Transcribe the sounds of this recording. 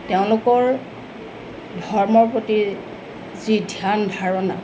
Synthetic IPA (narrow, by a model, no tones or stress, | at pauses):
teʊ̃lʊkɔɹ | dʱɔɹmɔɹpoti | zidʱjanbʱaɹɔna̰